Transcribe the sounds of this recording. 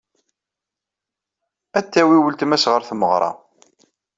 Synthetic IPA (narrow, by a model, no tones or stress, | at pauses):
æt̪ːæwiwəlt̪mæsʁəɾθməʁɾˤɑ̰